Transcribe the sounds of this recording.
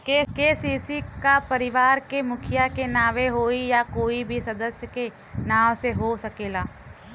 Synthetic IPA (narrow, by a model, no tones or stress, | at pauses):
kekeːsiːsikapɐɾɪʋaːɾkemʊkʰɪjakenaːʋeɦoːijakoːibʱisɐd̪əsjəke | naːʋseɦosɐkeːlaː